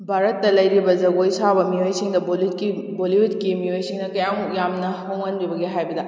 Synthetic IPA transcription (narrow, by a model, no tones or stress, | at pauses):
bʱaɾɐtːɐlɐjɾibɐzɐɡojsabɐmiojsiŋdɐboliti | boliutkimiojsiŋnɐkɐjaŋjamnɐhoŋɐnbibɐɡiɦajbɐdɐ